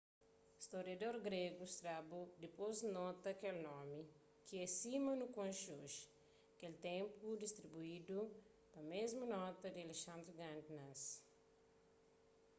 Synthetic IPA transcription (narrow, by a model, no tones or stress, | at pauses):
ist̪oɾijɐd̪oɾɡɾeɡuist̪ɾabud̪ipoznɔt̪ɐkelnɔmi | kiɛsimɐnukõnʃoʃ | kelt̪ẽmpud̪ist̪ɾibuid̪u | pɐmezmunɔt̪ɐd̪ialeʃãnd̪ɾuɡãnd̪nas